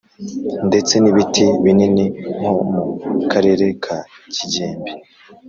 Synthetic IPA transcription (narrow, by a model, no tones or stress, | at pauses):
nde̞t͡se̞niβitiβininiŋ̥o̞mukʰaɾe̞ːɾe̞kʰa | ciɟeːmbi